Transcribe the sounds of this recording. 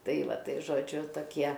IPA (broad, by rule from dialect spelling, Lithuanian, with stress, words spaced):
ˈtɐɪ ˈʋɐ ˈtɐɪ ʒoːˈd͡ʒʲʊ toːˈkʲiɛ